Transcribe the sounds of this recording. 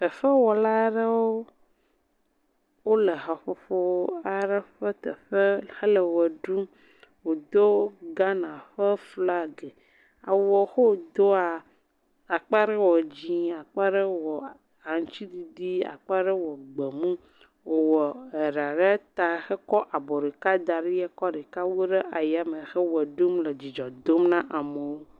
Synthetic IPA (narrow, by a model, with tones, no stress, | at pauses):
ɸɛ˨fɛ˦wɔ˨la˦ɖə˦wo˦ | wo˦le˨ɦa˨ɸo˨fo˦a˦ɖɛ˦ɸɛ˦t̪ɛ̰˨ɸɛ˦xe˦lɛ˨wɛ˨ɖu˦ | wo˨d̪o˦ɡa˦nã˨ɸɛ˦fla˦ɡɛ˨ | a̰˨wɔ˨xo˦˨d̪o˦a˨ | a˨k͡pa˦ɾɛ˦wɔ˨d͡ʑi˦a˨k͡pa˦ɖɛ˦wɔ˨ | a˨ŋ˨t͡ɕi˦d̪i˨ɖi˦a̰˨k͡pa˦ɖɛ˦wɔ˨ɡ͡be˨mũ˦ | wo˨wɔ˨e˨ɖa˨ɖɛ˦t̪a˨xɛ˦kɔ˦ʔa˨bɔ˨ɖe˨ka˦d̪a˨ɖi˦jɛ˦kɔ˦ɖe˨ka˦wo˦ɖe˦ʔa˨ja˨me˨xɛ˦wɛ˨ɖu˦mle˨d͡ʑi˨d͡ʒɔ˨d̪o˦mnã˦ʔa˨me˨wo˦